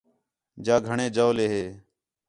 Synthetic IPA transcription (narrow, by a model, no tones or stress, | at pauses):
d͡ʒaːɡʱəɳẽːd͡ʒaːleːɦeː